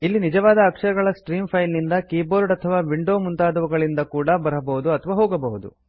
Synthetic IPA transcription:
ilːinid͡ʒɐʋaːd̪ɐːkʂɐɾɐɡɐɭɐsʈɾiːmpʰɐjlnind̪ɐkiːboːɾɖɐt̪ʰɐʋaːʋiɳɖo̞ːmunt̪aːd̪ɐʋuɡɐɭind̪ɐkuːɽɐbɐɾɐbɐɦud̪uɐt̪ʰɐʋaːɦoːɡɐbɐɦud̪ṵ

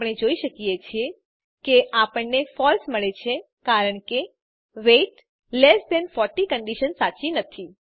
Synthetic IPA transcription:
pɽ̃ed͡ʒoiʃəkijet͡ʃʰie | keʔapəɳnefɔlsməɭet͡ʃʰe | kaɾəɳke | ʋeʈ | lesd̪ɛnfɔɾʈikəɳɖiʃənsat͡ʃinət̪ʰi

